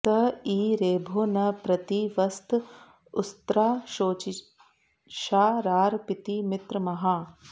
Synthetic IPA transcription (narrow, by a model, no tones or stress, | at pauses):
t̪ɐiːɾeːbʱoːnɐpɾɐt̪iʋɐst̪ | ʊst̪ɾaːʃoːt͡ʃi | ʃaːɾaːɾpit̪imɪt̪ɾəmɐɦaː